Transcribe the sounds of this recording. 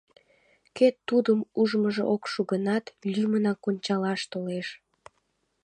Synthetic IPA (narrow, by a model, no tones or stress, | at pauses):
ket̪ːud̪əmuʒməʒḛʔokʃuɣənɑt̪lʲymənɑkonʲt͡ɕɑlɑʃt̪oleʃ